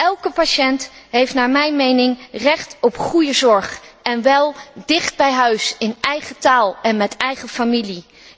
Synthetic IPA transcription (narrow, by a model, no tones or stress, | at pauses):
ʔɛlˠkəpaʃɛntɦejftnaːɹmɛjnmejnɪŋrɛχtɔpχujəzɔɹχɛnʋɛlˠdɪχd̚bɛjɦœɥsɪnɛjχətaːlˠɛnmɛtɛjχəfamili